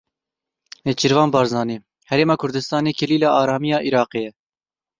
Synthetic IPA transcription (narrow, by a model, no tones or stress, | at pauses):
net͡ʃiɾvɑːnbɑːɾzɑːneː | hɛɾeːmɑːkʰʊɾd̪ɨst̪ɑːneːkʰɛliːlɑʔɑːɾɑːmijɑːʔiɾɑːqeːjɛ